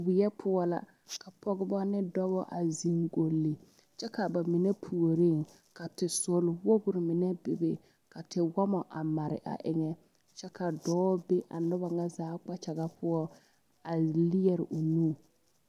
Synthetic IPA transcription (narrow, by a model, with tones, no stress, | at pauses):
wɪ˨jɛ˦pʰʊ˦ɔ˦la̰˨ | ka˨pɔ˦ɡɪ˦bɔ˦nɪ˦dɔ˦bɔ˦ʔa˨zi˨ŋɡo˨lːi˨ | t͡ʃɛ˦ka˨ba˨mɪ˨ne˦pʰu˨o˨ɾi˦˨ŋ | ka˨tɪ˨sʊ˨lwo˦ɡʊ˨ɾɪ˨mɪ˨nɛ˦bɪ˨bɪ˨ | ka˨tɪ˨wɔ˦mɔ˨ʔa̰˨ma˨ɾɪ̰˨ʔa̰˨ʔɪ˨ŋɛ˦ | t͡ʃɛ˦kʰa˨dɔː˦be˦ʔa̰˨nʊ˦ba˨ŋa˦zaː˨˦k͡pa˦t͡ʃa˨ɣa˦pʰʊ˦ɔ˦ | a˨li˦ɛ˨ɾɪ˨ʔʊ˨nuː˦˨